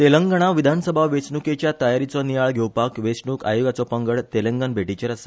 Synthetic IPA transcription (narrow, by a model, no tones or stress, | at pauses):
t̪eləŋɡəɽ̃aʋid̪ʱansəbʱaʋesɳuket͡ɕjat̪əjaɾit͡sɔnijaɭɡʱewpakʋesɳuːka̰joɡat͡sɔpəŋɡəɭt̪elə̃ŋɡənbʱeʈit͡ɕəɾəse̥